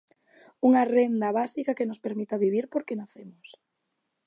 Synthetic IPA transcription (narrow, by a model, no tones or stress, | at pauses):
uŋɐrend̪ɐβasikakenʊspeɾmit̪aβiβ̞iɾpoɾkenaθemʊs